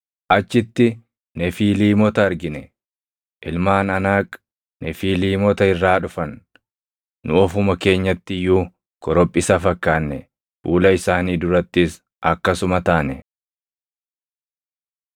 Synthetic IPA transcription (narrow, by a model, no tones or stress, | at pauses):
ʔɐt͡ʃːɪt̪ːɪ | nɛfiːliːmɔt̪ɐɐɾɡɪnɛ | ʔɪlmaːnɐnaːkʼ | nɛfiːliːmɔt̪ɐɪrːaːᶑʊfɐnː | ʊɔfʊmɐke̞ːɲːɐt̪ːɪjuː | kɔɾɔpʼːɪsɐfɐkːaːnːɛ | b̥uːlɐɪsaːniːd̪ʊɾɐt̪ːɪs | ʔɐkːɐsʊmɐt̪aːnɛ